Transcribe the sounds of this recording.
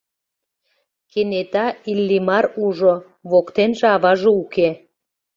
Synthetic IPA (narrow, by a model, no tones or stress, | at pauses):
kenet̪ɑilːimɑɾuʒo | βokt̪enʒĕɑβɑʒouke